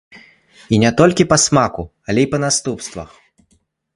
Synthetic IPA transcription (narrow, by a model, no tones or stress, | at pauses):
inʲɛt̪ɔlʲkʲipɐsmakualʲɛipɐnast̪upst̪vɐ̰x